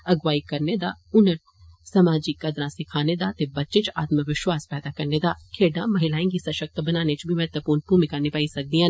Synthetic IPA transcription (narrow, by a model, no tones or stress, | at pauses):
ɐɡʋaːikɐɾned̪aːʊnəʈ | sɐmaːd͡ʒikːɐd̪ɾãsɪkʰaːned̪aːt̪ebɐtːt͡ʃɪ̃t͡ʃa̰ːt̪məʋɪʃwaːspɛːd̪akɐɾned̪aːkʰeːɖãmɐɦɪlaːẽŋkisɐʃək̚t̪bɐnaːnet͡ʃbʱimɛɦɛt̪əpuːɾnbʱuːmɪkanipaːisɐk̚d̪ĩã